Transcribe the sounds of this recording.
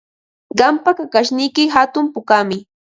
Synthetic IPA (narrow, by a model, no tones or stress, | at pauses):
ɢɑmpakakaʃnɪjkɪɦat̪ʊmpʊkamɪ